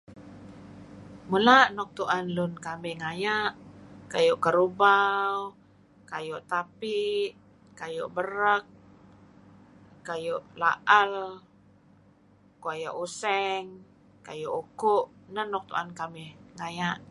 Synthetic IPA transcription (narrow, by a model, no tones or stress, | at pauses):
mulaʔnɔk̚t̪uʔanlʊnkamɛhŋajaʔkajuʔkəɾubaw | kajuʔt̪apiʔ | kajuʔbəɾək̚ | ajuʔla̰ʔal | kuaja̰ʔusɛŋ | kajuʔukʊʔnənɔk̚t̪ṵʔankamɛhŋajaʔ